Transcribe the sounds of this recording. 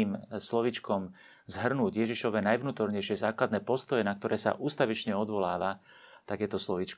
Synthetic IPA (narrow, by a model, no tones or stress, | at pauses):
iːmslɔʋit͡ʃkɔm | zɦr̩nuːɟjɛʒiʃɔʋɛːnajʋnuːt̪ɔɾɲɛjʃɪɛzaːklad̪nɛːpɔst̪ɔjɛnak̚t̪ɔɾɛːsa̰ʔuːst̪aʋit͡ʃɲɛɔd̪ʋɔlaːʋa | t̪akɛːt̪ɔslɔʋit͡ʃk